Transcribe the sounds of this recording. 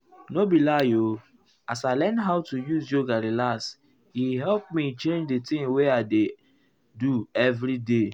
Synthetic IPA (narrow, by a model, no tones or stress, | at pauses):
nobilajo | asaɪlɛnɦaʊtujuzjoɡaɾilas | hiɦɛlp̚mit͡ʃẽnd͡ʒdetɪ̃ŋweaɪde | duɛvɾide